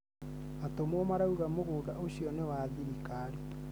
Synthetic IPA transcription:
atomɔmaɾauɣamoɣoːdaʔoɕiɔnewaðiɾikaɾi

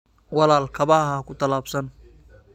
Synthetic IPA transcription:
wɐlaːlkʰɐβaɦaːkʰʊt̪ʰɐlaːbsɐn

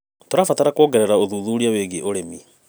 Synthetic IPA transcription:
toɾafat̪aɾakwɔːɡɛɾɛɾaoðuːðuɾiaweɣeʔoɾemi

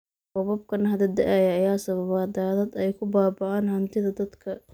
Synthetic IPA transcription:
bɔβɐb̚kʰɐnɦɐd̪ɐd̪ɐʔajɐːjaːsɐβɐβaːd̪aːðɐd̪ɛjkʰʊbaːbɑʕaːnhɐnt̪ʰɪðɐd̪ɐd̪kʰɐ

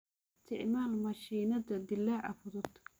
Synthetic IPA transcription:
st̪ʰɪʕmaːlmɐʃiːnɐðɐd̪ɪlaːʕɐ̰fʊðʊd̪

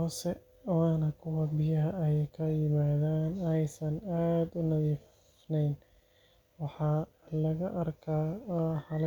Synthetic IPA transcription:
hɔːsɛ | waːnɐkʰʊwɐbɪjɐɦɐɛjkʰɐjɪmaːðaːnɛjsɐnaːd̪ʊnɐðiːf | nɛjn | wɑħɑː | lɐɣɐʔɐrkʰaːħɐl

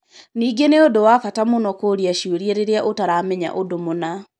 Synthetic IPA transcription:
niːɡeneodowafatamonɔkoɾiaʃieɾijeɾeɾeaʔotaɾamɛɲa̰ʔodomona

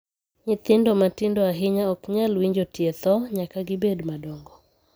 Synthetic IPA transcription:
ɲɪt̪ɪndɔmatɪndɔaɦɪɲaɔkɲalwiɲd͡ʒotjɛt̪ɔɲakaɡɪbedmadɔŋɡɔ

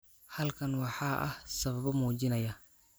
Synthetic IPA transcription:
hɐlkʰɐnwɑħɑːʔɐ̰hsɐβɐβɔmuːt͡ʃɪnɐjɐ

